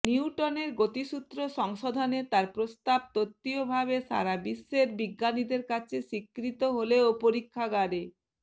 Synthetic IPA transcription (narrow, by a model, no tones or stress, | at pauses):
niuʈoneɾɡot̪iʃut̪ːɾoʃɔŋʃod̪ʱanet̪aɾpɾost̪ab̚t̪ot̪ːiobʱabeʃa̰ɾabisːeɾbiɡːanid̪eɾkat͡ɕʰeʃikːɾit̪oɦoleopoɾikʰːaɡaɾe